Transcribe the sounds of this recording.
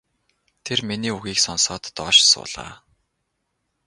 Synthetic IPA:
t̪ʰerminiːuɣiːksɔnsɔːt̪ːɔːʃsʊ̰ːɮa̰ː

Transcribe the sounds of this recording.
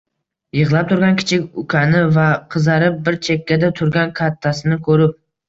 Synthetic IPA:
jɨʁlˠap̚t̪ʰʊɾɡʲankʲʰɪ̥t͡ʃʰɪkʲʊkʲʰanɪvaqʰɨzaɾɪp̚bɪɾt͡ʃʰe̞kʲːad̪at̪ʰʊɾɡʲankʰat̪ʰːasɪnɪkʰɵɾɪp̚

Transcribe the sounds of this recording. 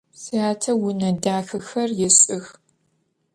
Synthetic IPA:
siaːtʰɐwʊnɐdaːxɨxɐrjɛsʼɨx

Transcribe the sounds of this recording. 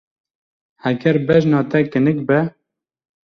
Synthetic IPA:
hɛɡɛɾbɛʒnɑːt̪ɛkɨnɨkbɛ

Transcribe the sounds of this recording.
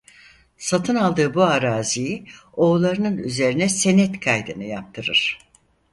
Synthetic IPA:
sat̪ʰɯnalˠd̪ɯːbuaɾaːzijio̞ːlˠaɾɯnɯnyze̞ɾinɛse̞nɛt̪kʰajd̪ɯnɯja̰p̚t̪ʰɯɾɯ̰ɾ̥

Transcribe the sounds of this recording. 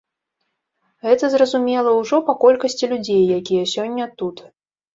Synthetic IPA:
ɣɛt̪ɐzrɐzumʲɛlˠɐwʐɔpɐkɔlʲkɐsʲt͡sʲilʲud͡zʲejːakʲijɐsʲɔnʲːɐt̪ut̪

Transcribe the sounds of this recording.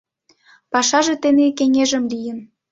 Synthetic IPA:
pɑʃɑʒĕt̪enekeŋeʒə̆mlijən

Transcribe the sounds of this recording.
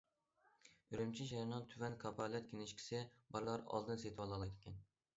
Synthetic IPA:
yɾymt͡ʃʰiʃeɾnɑt̪ʰyvɛnkʰɑpʰɑlˠɛt̪̚kʲʰenɪʃkʲʰi̥sɪbɑɾlˠɑɾɑ̰lˠd̪ɨnset̪ʰɪwɑlˠɑlˠɑjd̪ɪkʲɛn

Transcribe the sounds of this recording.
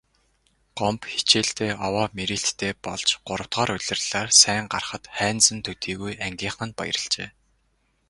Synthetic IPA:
ɢ̥ɔmpxi̥t͡ɕeːɬt̪ʰeːʔɔwaːmiɾiɬt̪ʰːeːpɔɮt͡ɕɢ̥ʊɾə̆w̥t̪χɔːɾʊɮʲɪ̆rɮ̥aːrsæːɴɢarχə̆t̪χæːnt͡sɘ̆nt̪ʰɵt̪iːɣujæŋɡʲiːɴχə̆npa̰jɾə̆ɮt͡ɕeː

